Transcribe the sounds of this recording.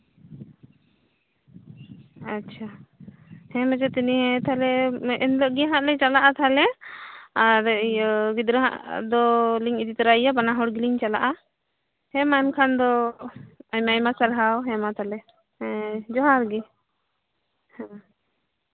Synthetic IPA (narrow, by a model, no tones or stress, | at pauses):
atːt͡ʃʰa | hɛ̃mad͡ʒɛt̪iniɦɛ̃t̪ʰalɛɛnləʔɡɛɦãʔlɛt͡ʃalaʔat̪ʰalɛ | aɾɡid̪ɾəɦa̰ʔd̪ɔliŋid͡ʒ̪it̪ɾaijabanaɦɔɽɡiliɲt͡ʃalaʔa | hɛ̃mankʰand̪ɔ | ajmajmasaɾɦawɦɛmat̪ʰalɛ | d͡ʒɔɦaɾɡɛ | hɛ